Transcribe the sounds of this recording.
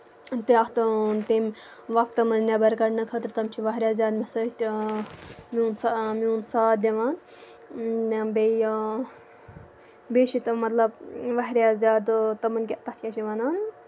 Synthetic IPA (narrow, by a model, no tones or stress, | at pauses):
t̪eɐkt̪ɨnt̪em | ʋɐk̚t̪ːɐmɐnnʲabɐɾkɐɽnɐkʰɐt̪ɾʲt̪ɐmt͡ʃʰiʋɐɦɾʲaːzʲaːd̪mʲesət̪ʲ | mʲuːnsamʲuːnsaːd̪̚d̪ʲɐʋaːn | be | bʲeːʃit̪mɐt̪lɐb̚ʋɐɦɾʲjaːzʲaːd̪t̪ɐmɐnkʲet̪ɐt̪ʰkʲɐt͡ʃʰiʋanaːn